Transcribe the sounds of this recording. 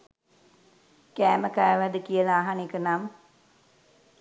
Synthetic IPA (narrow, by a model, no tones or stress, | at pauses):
kæːməkajːʋæd̪əkijəlaːɦanekənam